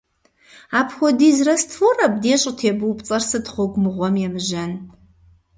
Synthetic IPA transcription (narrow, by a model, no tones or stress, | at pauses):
aːpʰxʷɔdiːzrɐstforɐbdeːɕʼtʰeːbɨwpt͡sʼɐrsɨtχʷʊɡʷmɨʁʷɔmjɛmɨʒɐn